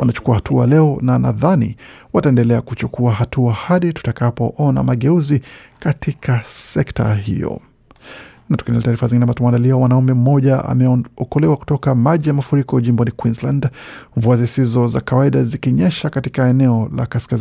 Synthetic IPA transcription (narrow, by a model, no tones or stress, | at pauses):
wanat͡ʃu̥kuahatʰua̰lɛɔnana̰ðanḭ | wataɛndɛlɛakut͡ʃukʰuaɦatuahaɗitu̥takapɔʔɔna̰maɠɛuzikatikʰasɛkta̰ɦḭjɔ̰ | natu̥kinɛlɛtaːɾifazĩŋɡinɛmatumandaliawanaumɛm̩mɔʄaa̰mɛɔkɔlɛwaku̥tɔkamaʄijamafuɾikɔʄimbɔnikwinslandɱvuazisizɔza̰kawaiɗazikiɲɛʃakatikaɛnɛɔla̰kaskaz